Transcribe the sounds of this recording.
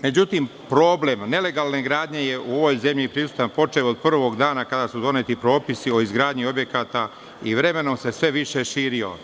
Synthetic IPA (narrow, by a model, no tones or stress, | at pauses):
me̞d͡ʑut̪impɾo̞ːble̞mne̞le̞ɡaːlˠneɡɾaːd̪ɲe̞jeʔuo̞ʋo̞jze̞mʎipɾisu̥t̪anpo̞t͡ʃelod̪̚pr̩ʋo̞ɡd̪aːnakad̪asud̪o̞net̪ipɾo̞ːpisio̞izɡɾaːd̪ɲio̞bje̞kaːt̪a | iʋɾe̞me̞no̞mse̞sʋe̞ʋiʃeʃiːɾio̞̰